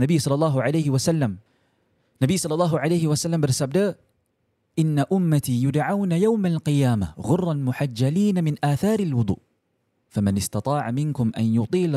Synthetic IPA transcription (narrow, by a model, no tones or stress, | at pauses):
abijːsˤɑlːɑlˤːɑːɦʕalajhɪwasalːam | nːabijːsˤɑlːɑlˤːɑːɦʕalajhɪwasalːambɪɾsabd̪aː | ʔɪnːaʔʊmːat̪ijʊd̪ʕawnajawmalqɪjaːmaɣʊrˤːɑlmʊħad͡ʒːaliːnamɪnʔaːθɑːɾalwʊd̪ˤṵːʔ | famanɪst̪ɑt̪ˤɑːʕamɪnkʊmʔa̰njʊt̪ˤiːl